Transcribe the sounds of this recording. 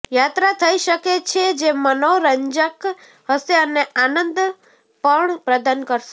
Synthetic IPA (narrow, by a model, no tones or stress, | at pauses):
jat̪ɾat̪ʰəiʃəket͡ʃʰed͡ʒemənoɾəɲd͡ʒək | ɦəʃeəneanənd̪ | pəɳpɾəd̪ankəɾʃe